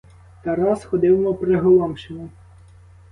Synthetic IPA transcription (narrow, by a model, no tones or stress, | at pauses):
t̪ɐɾɑsxɔd̪ɪwmɔpɾeɦɔlˠɑmʃemʊ